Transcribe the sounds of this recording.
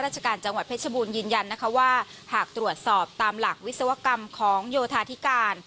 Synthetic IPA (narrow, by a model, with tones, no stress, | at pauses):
ɾaː˥˩t̪̚t͡ɕʰa˧kaː˧nt͡ɕa˧ŋwa˨˩t̪̚pʰe˦˥˩t̚sa˧buː˧njɯː˧nja˧nː˦˥kʰa˦˥waː˥˩haː˨˩k̚t̪ɾu˨˩ət̪̚sɔː˨˩p̚t̪aː˧mla˨˩k̚wi˦˥t̪̚sa˧wa˦˥ka˧mkʰɔː˩˦ŋjoː˧t̪ʰaː˧t̪ʰi˦˥kaː˧n